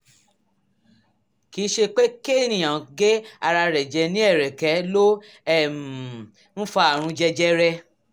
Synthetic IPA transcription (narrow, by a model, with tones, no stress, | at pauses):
ki˨˦ʃe˧k͡pe˦ke˦˨nĩ˨j̃ã˨ɡe˦a˧ɾa˧ɾɛ˨d͡ʒɛ˧˦nĩ˦ɛ˦˨ɾɛ˨kɛ˨˦lo˦ | ɛ˦˨m˨ | n̩˦fa˧a˨ɾ̃ũ˧d͡ʒɛ˧d͡ʒɛ˦ɾɛ˧